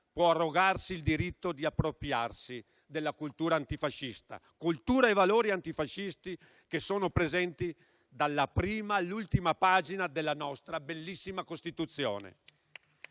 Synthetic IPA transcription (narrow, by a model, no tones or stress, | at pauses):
pwɔarːoɡarsild̪iɾit̪ːod̪iapːɾopɾjarsi | d̪elːakult̪uːɾaːnt̪ifaʃːist̪a̰kult̪uːɾaevaloːɾiant̪ifaʃːist̪i | kesoːnopɾezɛnt̪i | d̪alːapɾiːmalːult̪imapaːd͡ʒinad̪elːanɔst̪ɾabelːisːimakost̪it̪ut̪sːjo̰ːnḛ